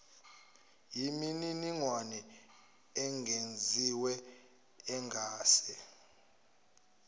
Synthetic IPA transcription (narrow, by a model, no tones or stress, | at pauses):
jimininiŋwanɛ | ɛŋɡʱend͡zʱiwɛ | ɛŋʱaːsɛ